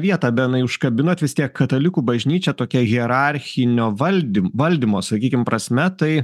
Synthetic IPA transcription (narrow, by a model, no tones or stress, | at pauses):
ʋʲiɛt̪ɑːbʲɛtɪnɐɪʊʃkɐbʲɪnoːt̪ʲʋʲɪst̪ʲiɛkkɐt̪ɐlʲɪkuːbɐʒʲnʲiːt͡ʃʲɛt̪oːkʲɛɣʲiɛɾɑɾʲxʲɪnʲoːʋɐlʲdʲʋɐlʲd̪ʲiːmoːsɐkʲiːkʲɪmpɾɐsʲmʲɛt̪ɐɪ